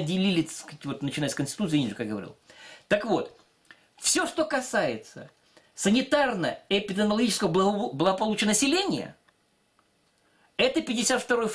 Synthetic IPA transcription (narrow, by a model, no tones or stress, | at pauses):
dʲɪlʲilʲɪkatʲvo̞t̪nət͡ɕɪnajəskənsʲtʲɪ̥t̪ut̪sɨinʲɪʐɨkajɡəvɐɾʲḭlˠt̪əkvo̞t̪ | fsʲoʂt̪o̞kɐsajɪt̪sə̰ | sənʲɪt̪arnəɪpʲɪd̪ʲəmlˠɐɡʲit͡ɕɪ̥skəvəblˠəɡəpɐlˠut͡ɕɪənəsʲɪlʲenʲɪjə̰ | ɛt̪əpʲɪdʲɪsʲat̪ft̪ɐɾo̞jf